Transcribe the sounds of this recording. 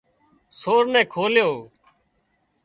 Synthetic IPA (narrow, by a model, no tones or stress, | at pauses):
soːɾnɛ̃ːkʰoːljoː